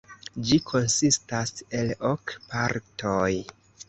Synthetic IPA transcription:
d͡ʒikʰo̞nsistase̞lokpʰaɾtʰoj

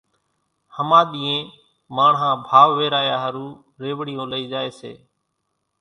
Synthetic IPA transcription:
həmaːɗ̪iːẽː | maːɳɦãːbʱaːʋʋeːɾaːjaːɦəɾũː | ɾeːʋɽɪjõːləiːd͡ʒaːeːsḛː

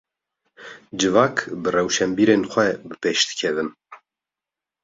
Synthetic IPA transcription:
d͡ʒɨvɑːkbɨrɛwʃɛmbiːɾeːnxʷɛbɨpeʃd̪ɨ̥kʲʰɛvɨn

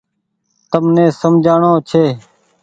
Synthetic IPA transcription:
t̪əmnẽːsəmd͡ʒʱaːɳoːt͡ʃʰeː

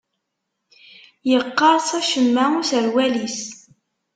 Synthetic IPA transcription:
jəqːɑɾˤsˤæʃəmːæusəɾwælis

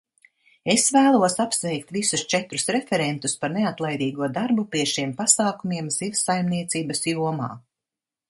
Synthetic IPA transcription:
esvæːlˠuɔsapsvɛjk̚t̪visust͡ʃɛt̪ɾusɾefɛɾent̪uspaɾneat̪lˠajd̪iːɡuɔd̪aɾbupiɛʃiɛmpasaːkumiɛmz̥ivsajmniɛt̪siːbɐsjuɔma̰ː

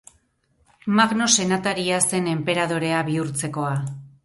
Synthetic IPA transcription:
maɣno̞se̞nat̪aɾiase̞ne̞mpe̞ɾað̞o̞ɾe̞aβiuɾt͡se̞ko̞a

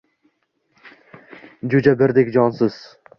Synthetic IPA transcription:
d͡ʒʊd͡ʒabɪɾd̪ekʲd͡ʒɒnsɪz̥

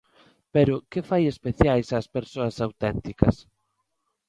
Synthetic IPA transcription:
peɾʊkefajespeθjajsaspeɾsoɐsawt̪ɛnt̪ikɐ̰s

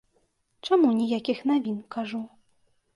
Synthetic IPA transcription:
t͡ʂamunʲijakʲixnavʲinkaʐu

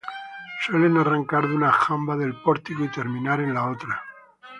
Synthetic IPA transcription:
swe̞le̞naraŋkaɾðunaxambaðe̞lpo̞ɾt̪ikoit̪e̞ɾmĩnaɾe̞nlaot̪ɾa

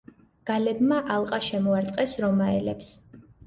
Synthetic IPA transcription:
ɡ̥alɛbmaʔalˠqʼaʃɛmɔaɾt̪ʼqʼɛsɾɔmaɛlɛps

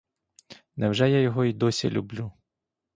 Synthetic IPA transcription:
nɛwʒɛjajɔɦɔid̪ɔsʲḭlʲṵblʲu

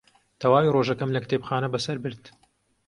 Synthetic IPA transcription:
t̪ʰɐwaːwiroːʒɐkɐmlɐkɨt̪epxaːnɐbɐsɐɾbɨɾd̪

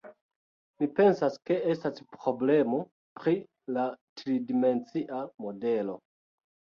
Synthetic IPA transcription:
mipe̞nsaske̞e̞staspɾo̞ble̞mo̞ | pɾi | latɾidime̞nt͡siʔamo̞de̞lo̞

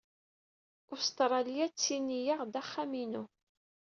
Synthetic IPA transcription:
ʊst̪ɾˤɑlijæt͡sːinːijaʁd̪æχːæminu

